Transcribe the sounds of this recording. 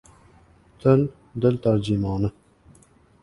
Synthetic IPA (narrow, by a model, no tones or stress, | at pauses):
t̪ʰəl | nd̪əlt̪aɾd͡ʑimɑnə